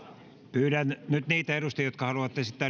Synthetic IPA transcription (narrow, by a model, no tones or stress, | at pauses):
pyːɾænnyt̪niːt̪æerust̪ijjot̪̚kɑhɑluʋɑt̪ːesit̪ːæ